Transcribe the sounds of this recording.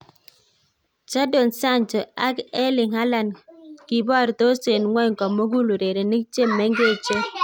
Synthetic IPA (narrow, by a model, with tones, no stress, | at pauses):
t͡ʃa˦do˨nsa˦˨nd͡ʒɔ˨a˦kɛ˦lɪ˨ŋha˦la˨nki˨bɔ˦˨ɾt̪o˦se˨nŋwɛ˦ŋkɔ˨mo˦ɡu˦lu˨ɾe˨ɾe˨ni˦kt͡ʃe˦mːɛ˨˦ŋɡe˦˨t͡ʃo˦